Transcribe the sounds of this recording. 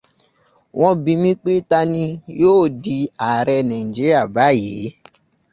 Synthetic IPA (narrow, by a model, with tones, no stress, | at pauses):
w̃ɔ̃˧bĩ˧mĩ˦k͡pe˦ta˧nĩ˧joː˦˨di˧a˨ɾɛ˧nã˨i˨d͡ʒi˦ɾi˦a˦˨ba˨˦˨jḛ˨˦